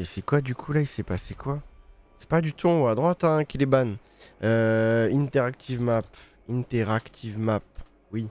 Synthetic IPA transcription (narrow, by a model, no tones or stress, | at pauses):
esɛkwad̪ykʰulailsɛpasekwa | sɛ̥pad̪yt̪ʰɔ̃wad̪ʁwat̪ɛ̃kʲileban | øint̪ɛʁak̚t̪ʰivmap | int̪ɛʁakt̪ʰivmap̚ | wi